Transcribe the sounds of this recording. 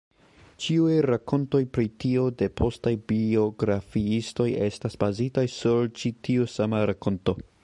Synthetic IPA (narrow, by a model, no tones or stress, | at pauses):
t͡ʃiujɾako̞nto̞jpɾitio̞de̞pʰo̞stajbio̞ɡɾafiisto̞je̞stasb̥azitajsuɾt͡ʃitiusamaɾako̞nto̞